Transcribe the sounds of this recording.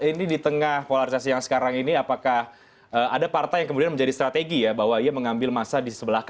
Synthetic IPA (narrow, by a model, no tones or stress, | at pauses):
inidit̪əŋahfolaɾisasijaŋsə̥kaɾaŋiniapakah | əːadapart̪ajaŋkəmudianməɲd͡ʒadist̪ɾat̪eɡijabaɦwaiaməŋambɪlmasadisəbəlahka